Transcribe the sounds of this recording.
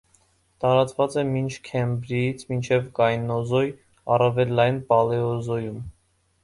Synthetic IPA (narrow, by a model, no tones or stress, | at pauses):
t̪ɑɾɑt͡svɑt͡sɛmint͡ʃʰkʰɛmbɾijit͡sʰmint͡ʃʰɛvkɑjnɔzɔj | ɑrɑvɛlːɑjnpɑlɛɔzɔjum